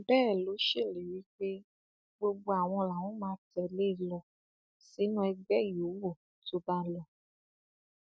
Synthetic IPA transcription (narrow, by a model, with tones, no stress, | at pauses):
bɛ˦˨lo˨˦ʃe˦˨le˨wi˦ɸe˦ | ɡ͡bo˦ɡ͡bo˦a˨w̃ɔ̃˧la˨wɔ̃˦mã˧˦tɛ˨le˦˨lɔ˨ | si˨˦nũ˦ɛ˧ɡ͡bɛ˦jo˨˦wo˦˨ | to˦ba˦lɔ˨